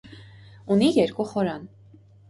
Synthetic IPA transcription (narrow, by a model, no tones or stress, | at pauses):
unijɛɾkuχɔɾɑn